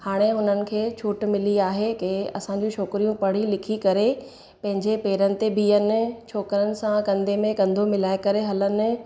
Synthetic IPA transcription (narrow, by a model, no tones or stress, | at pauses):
haːɽ̃eɦʊnənɪ̆kʰeːt͡ɕʰuːʈmɪliaːɦekeɐsãɲd͡ʑũʃoːkɪɾijũpɐɽ̤ilɪkʰikɐɾe | pɐ̃ɦɪ̃ɲd͡ʑepeːɾənɪ̆t̪ebʱiːjənɪ̆t͡ɕʰoːkɾənɪ̆sãkɐ̃nd̪ʱemẽkɐ̃nd̪ʱomɪlaːɪkɐɾeɦɐlənɪ̆